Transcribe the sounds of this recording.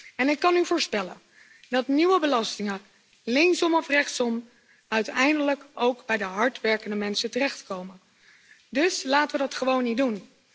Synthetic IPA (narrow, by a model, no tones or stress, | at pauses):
ɛnɪkːɑnyvʊːɹspɛlə̰n | dɑtniʋəbəlɑstɪŋə | lɪŋsɔmɔfrɛχtsɔm | œɥtɛjndələkowɡbɛjdəɦɑɹtʋɛɹkəndəmɛnsətərɛχtkowmən | dɵslaːtəʋədɑtχəʋownidun